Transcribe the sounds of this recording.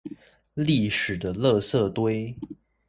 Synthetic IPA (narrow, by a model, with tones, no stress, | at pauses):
li˥˩ʂɻ̩˨˩d̪ə˦lɤ˥˧sɤ˥˩t̪we˥ɪ